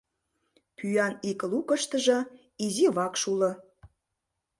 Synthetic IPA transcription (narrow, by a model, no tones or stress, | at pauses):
pʰyjɑnikəlukə̆ʃt̪əʒɤ̆ | iziβɑkʃulɤ̆